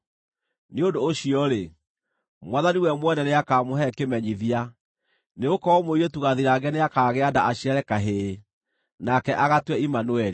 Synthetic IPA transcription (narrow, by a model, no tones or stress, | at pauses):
neondoːɕiɔɾe | mwaðaniwɛmwɛnɛneakaːmoɦɛkemɛɲiðia | neokɔɔmoietuɣaðiɾaɡɛneakaːɣeadaʔaɕiɛɾɛkaɦe | nakɛʔaɣatwɛimanuɛɾi